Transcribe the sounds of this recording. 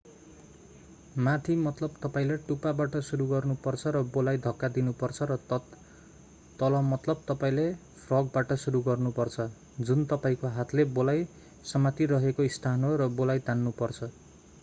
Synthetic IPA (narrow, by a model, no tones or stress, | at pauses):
mat̪ʰimʌt̪lʌbt̪ʌpaĩlajʈupabaʈʌsuɾuɡʌrnupʌrt͡sʰʌɾʌbolajd̪ʱʌkːad̪inupʌrt͡sʰʌɾʌ | t̪ːʌlʌmʌt̪lʌb̚t̪ʌpaĩlepʰrʌɡ̚baʈʌsuɾuɡʌrnupʌrt͡sʰʌ | d͡zunt̪ʌpaĩkoɦat̪ʰlebolaj | sʌmat̪iɾʌɦekoist̪ʰanɦoɾʌbolajt̪anːupʌrt͡sʰʌ